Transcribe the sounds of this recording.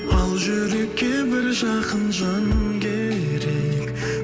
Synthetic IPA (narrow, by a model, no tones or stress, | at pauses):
ɑlˠʒʏɾe̞kʲːebɪɾʒɑqənʒɑnəmkʲʰe | ɾek